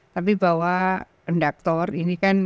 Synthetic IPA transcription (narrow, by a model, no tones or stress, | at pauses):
t̪ap̬ibawa | əndak̚t̪ɔrinikan